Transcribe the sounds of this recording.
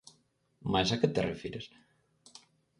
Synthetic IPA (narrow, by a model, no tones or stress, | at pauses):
majsaket̪erḛfiɾes